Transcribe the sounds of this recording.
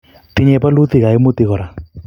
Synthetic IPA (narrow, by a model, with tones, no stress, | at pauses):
tɪ˦ɲɛ˧pa˦lu˦t̪i˨ka˨ɪ˦mʊ˦t̪i˨kɔ˨ɾa˨